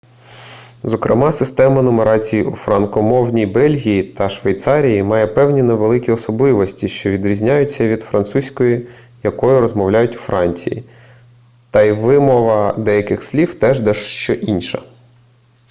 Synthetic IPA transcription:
zɔkɾɪ̰mɑsɪst̪ɛmɐnɔmeɾɑt͡sʲijufɾɐnkɔmɔwnʲibɛlʲɦʲijit̪ɐʃʋejt̪sɑɾʲijimɑjɛpɛwnʲineʋelˠɪkʲiɔsɔblˠɪʋɔsʲtʲiʃt͡ʃɔʋʲid̪ɾʲizʲnʲajʊt͡sʲːɐʋʲid̪fɾɐnt̪susʲkɔji | jɐkɔjʊɾɔzmɔwlʲajʊtʲwfɾɑnʲt͡sʲḭjḭ | t̪ɐiʋɪmɔʋɐd̪ɛjɐkɪxsʲlʲiwt̪ɛʒd̪ɛʃʃt͡ʃɔʔinʲʃɐ̰

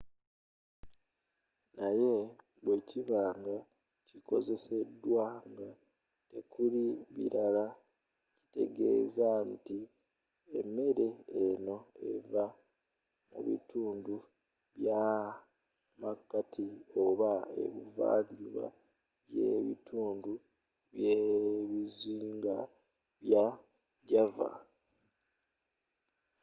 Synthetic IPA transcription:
naje̞ | βweciβaːŋɡa | ciko̞ze̞se̞dːwaŋɡa | te̞kuliβḭɾala | ci̥te̞̰ɡe̞̰ːzanti | emːe̞ɾe̞ːno̞e̞va | mṵβḭtʰuːndu | βja | makːatʰio̞βae̞̰βiva̰ːɲɟuβa̰ | jeβitʰuːndu | βjeβiziːŋɡa | βja | ɟava̰

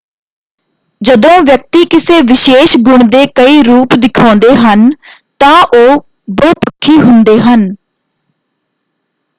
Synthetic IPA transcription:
d͡ʒəd̪õːʋjək̚t̪iːkɪseːʋɪʃeːʃɡʊɳ̃d̪eːkəiːɾuːpd̪ɪkʰãːnd̪eːɦənt̪ãːʔoː | boːpəkʰːiːɦʊnd̪eːɦən

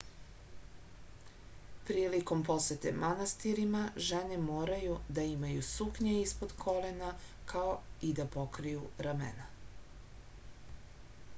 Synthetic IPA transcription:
pɾiːliko̞mpo̞set̪e̞̰manast̪iɾimaʒene̞moːɾajud̪aimajusukɲeispo̞d̪kʰo̞lena | kʰaoid̪apo̞kɾijuɾamḛna

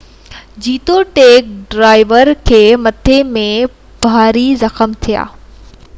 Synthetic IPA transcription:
d͡ʑiːt̪oʈeːk̚ɖɾaːɪʋəɾkʰeːmɐt̪ʰemẽ | b̥ʱaːɾizɐxəmt̪ʰija̰ː

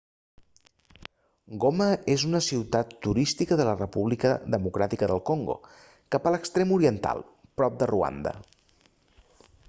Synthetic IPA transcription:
ɡoməezunəsiwt̪at̪ːuɾist̪ikəðələrəpuβlikəðəmukɾat̪ikəðəlˠkoŋɡo̰ | kapələkst̪ɾemuɾiənt̪a̰lˠ | pɾɔp̚d̪ərua̰nd̪ə̰

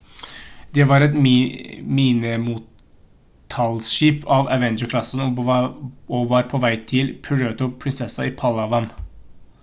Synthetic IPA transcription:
d̪ɛːʋɑɾɛt̪ | miːnɪmuːt̪ʰ | ɑlsʃiːpɑːʋæʋɛnd͡ʒəkʰlɑsən | ɔʋɑɾpʰɔʋæɪt̪ʰɪlpʰɾøːt̪ʊpʰɾɪnsɛsɑiːpʰɑlɑʋɑn

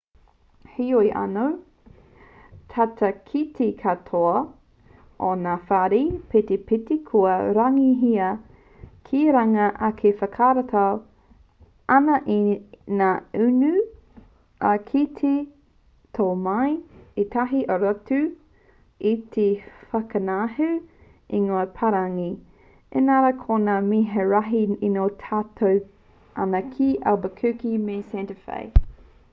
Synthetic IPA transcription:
hiojʔa̰now | t̪ʰatʰɐkʰitʰikʰatʰoɐ | ʔonafaɾipʰetepitikʰuɐɾaŋiɦiɐ | kʰiɾaŋɐʔɐkʰefɐkʰaɾatʰaw | ʔɐnɐʔinaːʉnʉ | ʔakʰitʰe | tʰoːmajetʰɐɦiʔoɾatʉ | itʰefɐkɐnaɦʉ | iŋoɐpʰɐɾaŋi | ḛnaɾɐkʰonamiɦeɾɐɦiinoːtʰaːtʰow | ʔɐ̰nɐkʰiʔabɐkʰʉkimesɛntəfḛj

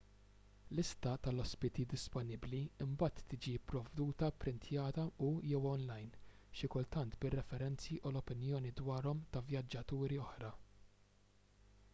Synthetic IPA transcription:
lɪst̪ɐt̪ɐlɔspɪt̪id̪ɪspɔnɪbliɪmbɐːt̪ːɪːd͡ʒipːɾɔvd̪uːt̪ɐpɾɪnt̪ʰjɐːt̪ɐujɛwɔnlɐjn | ʃɪkʊlt̪ɐnt̪bɪrːɛfɛɾɛnt͡siʔulɔpɪnjɔːnid̪wɐːɾɔmt̪ɐvjɐd͡ʒːɐt̪uːɾiɔħɾɐ

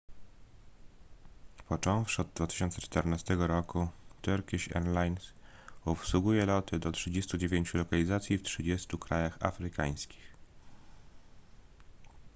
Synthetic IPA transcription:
pɔt͡ʂɔ̃w̃fʂɔd̪̚d̪vat̪ɘ̥ɕɔnt̪sɛt͡ʂt̪ɛɾnast̪ɛɡɔɾɔkut̪ɛɾkʲiɕɛ̰nlajns | upswuɡujɛlɔt̪ʰɘd̪ɔtʂɘd͡ʑest̪ud͡ʑevʲjeɲt͡ɕulɔkalʲizat̪sʲjiftʂɘd͡ʑest̪ukɾajaxa̰fɾɘka̰j̃skʲi̥x

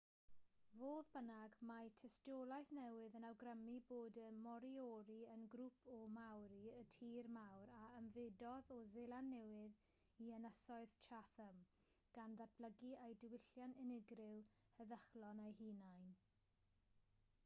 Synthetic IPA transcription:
voːðbənaɡmatʰɛstɔlˠajθnɛwɪðənawɡrəmiboːdəmɔɾiɔɾiənɡɾupʰɔmawɾiətʰiːrmawɾaəmvɪdɔðɔzelˠanːɛwɪð | iənəsɔɨðt͡ʃʰaθəm | ɡ̥anðat̚b̥ləɡiejdɪwɪɬjanɪnɪɡrɪlˠ | həðəχlɔnajɦinajn

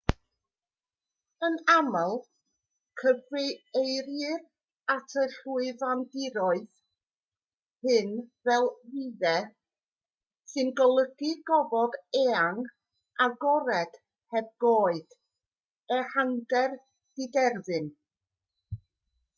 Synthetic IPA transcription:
ənamalˠ | kʰəvrɨejɾɨr | atʰəɬuɨðandɪɾɔɨð | hɨnvɛlˠviðɛ | sɨnɡɔlˠəɡ̥iɡɔvɔdɛaŋ | aɡɔɾɛd̥ | hɛb̚ɡoːɨd̥ | ɛhaŋɡɛr | d̥idɛrðɨn

